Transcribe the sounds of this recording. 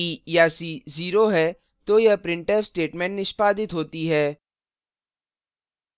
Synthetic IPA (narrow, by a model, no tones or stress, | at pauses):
iːjaːsiːziːɾoɦɛː | t̪ojɐpɾɪ̃ɳʈefsʈeːʈmɛ̃ːɳʈnɪʃpaːd̪ɪt̪ɦoːt̪iɦɛː